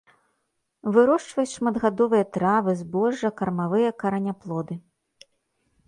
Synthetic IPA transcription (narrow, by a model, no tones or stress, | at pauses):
vɨɾɔʂt͡ʂvɐjut͡sʲʂmɐd̪ɣad̪ɔvɨjɐt̪ɾavɨzbɔʐːɐkɐrmavɨjɐkɐɾɐnʲaplˠɔd̪ɨ